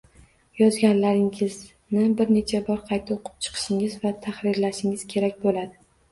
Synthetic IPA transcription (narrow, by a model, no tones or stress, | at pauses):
jɒzɡʲanlaɾɪŋɪz | nɪbɪɾne̞t͡ʃʰabɒɾqʰɑjt̪ʰaoqʰɨ̥p̚t͡ʃʰɨ̥qʰɨ̥ʃɪŋɪzvat̪ʰaχɾɪɾlaʃɪŋɪz̥kʲʰe̞ɾakʲbolad̪ɪ